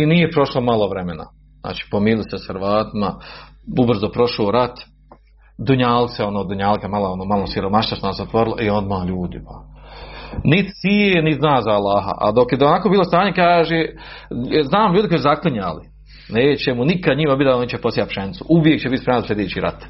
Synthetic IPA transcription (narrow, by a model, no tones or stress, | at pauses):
inijepɾo̞ʃlomalˠo̞ʋɾemena̰ | zna̰ːt͡ʃi̥ːpomiːliseshɨɾʋaːt̪imaubr̩zopɾo̞ʃoːɾat̪ | d̪uɲaːlt̪seo̞noːd̪uɲaːlˠkamalˠoonoːmalˠosiɾo̞maʃilasunasot̪ʋo̞ɾilo̰ʔio̞d̪maːʎuːd̪ipa | nit̪sijenit̪znaːzaːlˠaːɦa̰ʔa̰d̪okjed̪onakoːbiːlost̪aːɲe̞kaːʒe | znaːmʎuːd̪koisuzakliɲaːli | neːt͡ɕemunikad̪ɲimabit̪anit͡ɕeposijat̪pʃent̪suʔuʋjek̚t͡ɕebit̪spemnansʲed̪iːt͡ɕiːɾa̰t̪